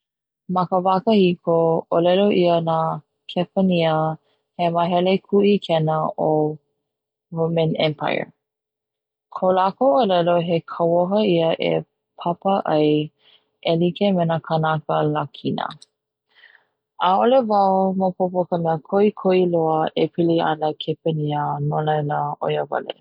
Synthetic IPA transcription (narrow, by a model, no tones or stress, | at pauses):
mɐkəvakəhikʰoolɛloʔiəna | kʰɛpəniə | heməɦɛlekʰuʔikʰɛnəo | ɹomə̃nɛ̃mpʰa̰jə̰˞ | kʰolakoolɛloɦekʰəwoɦəiəʔḛ | pʰapəʔɐj | ʔelikemenakʰənakəlakʰinə̰ | ʔaolevɐomopʰopokəmɛəkʰoikʰoiloəʔepʰiliɐ̰nəkʰepəniənolajləo̰jovɐ̰lḛ